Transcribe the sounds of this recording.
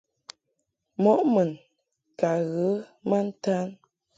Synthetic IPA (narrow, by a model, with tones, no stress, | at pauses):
mɔ˨˦ʔmə˨n | ka˨ɣə˨˦mə˦n̩˦ta˦n